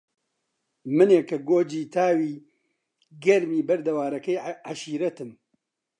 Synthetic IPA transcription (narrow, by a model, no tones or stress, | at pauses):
mɨneːkɐɡoːd͡ʒiːt̪ʰaːwiː | ɡɐɾmiːbɐɾd̪ɐwaːɾɐkɛjʕaʃiːɾɐt̪ɨm